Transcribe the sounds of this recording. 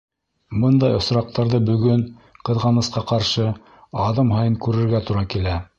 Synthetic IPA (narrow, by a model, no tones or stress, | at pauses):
bɤnd̪ɑjŏsɾɑq̚t̪ɑɾðɤbɵ̆ɡɵnqɤ̆ðʁɑnɤ̆sqɑqɑɾʃɤ | ɑðɤmɦɑjɤŋkʉɾɘ̆ɾɡæt̪uɾɑkilæ